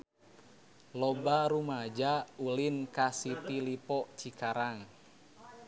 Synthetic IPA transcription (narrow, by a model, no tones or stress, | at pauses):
lɔbaɾumad͡ʒaulinkasit̪ilipɔʔt͡ʃikaɾaŋ